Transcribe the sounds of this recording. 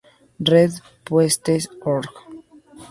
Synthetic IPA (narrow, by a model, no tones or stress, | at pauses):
reð | pwest̪esoɾk